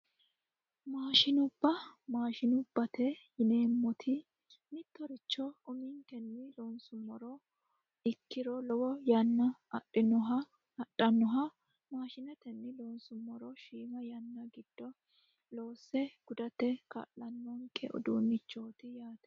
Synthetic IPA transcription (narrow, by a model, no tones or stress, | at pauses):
maːʃɪnʊbːɐmaːʃɪnʊbːɐt̪ɛjɪne̞ːmːɔt̪ʰɪ | mɪt̪ːɔɾɪt͡ʃːɔʊmɪŋkɛnːɪloːnsʊmːɔɾɔ | ɪkːɪɾɔlɔwɔjɐnːɐʔɪnɔɐ | ɐɗːɐnːɔɦɐ | maːʃɪnɛt̪ɛnːɪloːnsʊmːɔɾɔʃiːmɐjɐnːɐɡɪd̪̥ːɔ | lo̞ːsːɛɡ̥ʊd̪ɐt̪ɛkɐ̰lːɐnːɔŋkʰɛʔɔ̰d̪uːnːɪt͡ʃːoːt̪ɪjaːt̪ɛ̥